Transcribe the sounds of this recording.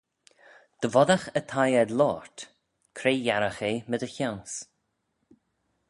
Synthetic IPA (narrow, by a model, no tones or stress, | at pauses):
d̪̥əvɔd̪axət̪ʰajɛd̪lɔːɹt̪ | kʰɾeːjaɾaxeːməd̪əçawns